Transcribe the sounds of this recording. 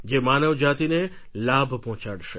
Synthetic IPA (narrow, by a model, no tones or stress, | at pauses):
d͡ʒemanəʋd͡ʒat̪ine | labʱpɔɦɔ̃t͡ʃaɽʃe